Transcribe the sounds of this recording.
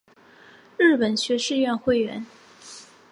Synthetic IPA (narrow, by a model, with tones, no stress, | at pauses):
ɻ̩˥˩pə˨˩nɕɥɛ˧˥ʂɻ̩˥˧ɥɛ˥˧nxwe˥˩ɪɥɛ̰˧˥n